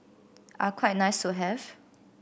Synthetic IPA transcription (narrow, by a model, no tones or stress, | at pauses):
ʔakʰwaɪt̚naɪstuɦɛv